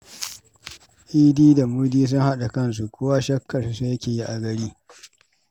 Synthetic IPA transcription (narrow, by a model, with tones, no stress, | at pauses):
ʔiː˦diː˦da˨muː˦diː˦s̬ʊ˦ŋha˦ɗa˨kɐ˦ns̬u˨kʷoː˦wa˦ʃɐ˦kʰːɐ˨ssa˦jɐ˦kʲeː˨ji˦ʔa˨ɡɐ˨ɽiː˦